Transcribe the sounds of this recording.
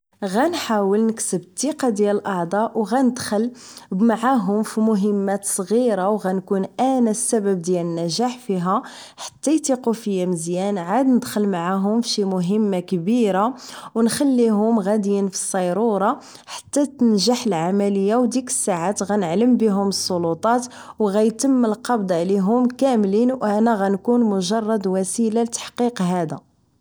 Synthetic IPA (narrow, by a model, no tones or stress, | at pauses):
ɣænħawəlnəksəbət̪ːiqɑd̪jæləlʔɑʕd̪ˤɑwɣænəd̪xəlmaʕaɦʊmfimʊɦəmːæt̪sˤɣiɾawɣænkunʔænæsːæbəb̚d̪jælənːæʒaħfiɦæ | ħḁt̪ːæjt̪iqufəjːæməzjænʕad̪nəd̪xəlmaʕaɦʊmfʃimʊɦəmːakbiɾawnxælːiɦʊmɣæd̪jinfi̥sˤːɑjɾuɾˤɑ | ħḁt̪ːæt̪nʒaħəlʕamæləjːawd̪ikə̥sːaʕat̪ɣænəʕləmbiɦʊməsˤːolut̪ˤɑt̪ | wɣæjt̪əmːəlqɑbd̪ˤʕliɦʊmkæmlinwʔænæɣænkunmʊʒɑrˤːɑd̪wæsilalt̪ḁħqiqɦæd̪æ